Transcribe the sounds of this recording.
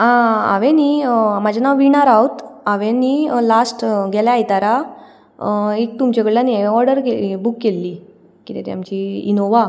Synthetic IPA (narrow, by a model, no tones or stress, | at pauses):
ãa̰ʋẽnimad͡ʑʱanaʋʋiɳ̃aɾawt̪aʋẽnilasʈɡɛljaːjt̪aɾa | ek̚t̪umt͡ɕaɡəɭlanieɔɾɖəɾkebukːelːi | kit̪ɛ̰t̪ja̰mt͡ɕiinoʋa